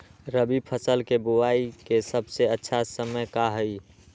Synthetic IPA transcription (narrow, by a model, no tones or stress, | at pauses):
ɾəbipʰəsəlkeboaikesəbseətːʃʰasəməjkaɦəi